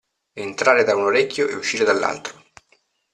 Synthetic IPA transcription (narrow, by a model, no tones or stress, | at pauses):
ent̪ɾaːɾed̪aunoɾɛkʲːjoʔeuʃːiːɾed̪alːa̰lt̪ɾo